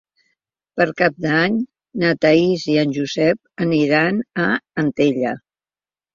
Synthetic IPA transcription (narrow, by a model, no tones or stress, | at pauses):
pəɾkap̚d̪aɲ | nət̪əiziənʲʒuzɛp̚əniɾanəːnt̪eʎə